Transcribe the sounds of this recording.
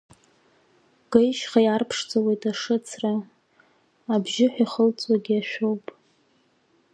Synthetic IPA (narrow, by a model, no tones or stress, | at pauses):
ɡ̥ejʃχajarpʰʂd͡zʼawejtʼaʂɨt͡sʰra | bʒɪħʷᶣaχəlt͡sʼwaɡʲiaʃᶣowpʼ